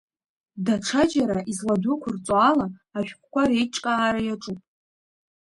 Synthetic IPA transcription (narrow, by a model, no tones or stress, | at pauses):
daʈ͡ʂʰad͡ʒaɾaʔizladukʷʰʊrt͡sʼalaːʃᶣkʷʰkʷaɾejʈ͡ʂʼkʼaːɾajaʈ͡ʂʼupʼ